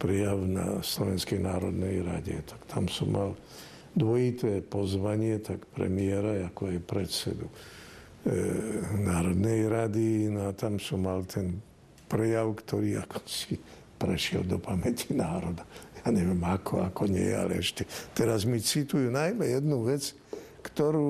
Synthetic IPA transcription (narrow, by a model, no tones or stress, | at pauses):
pɾɛjaʊna̰slɔʋɛnskɛjnaːɾɔd̪nɛjɾa̰ɟɛ̰t̪ʰḁkt̪ʰamsɔmːal | d̪ʋɔjit̪ɛːpɔzʋaɲɪɛt̪akpɾɛ̰miɛɾaakɔajpɾɛt̪sɛ̰d̪u | naːɾɔd̪nɛjɾad̪inɔat̪amsɔmːalt̪ʰɛn | pɾɛjaʊkt̪ʰɔɾiːakɔ̥si | pɾɛʃɪɛ̰ld̪ɔpamɛcʰi̥naːɾɔd̪ajaːɲɛʋɪɛmakʰɔakɔɲɛ̰jɛ̰a̰lɛ̰ɛʃcɛt̪ɛɾazmit͡sit̪ujunajmɛjɛd̪nuʋɛt͡s | kt̪ɔɾuː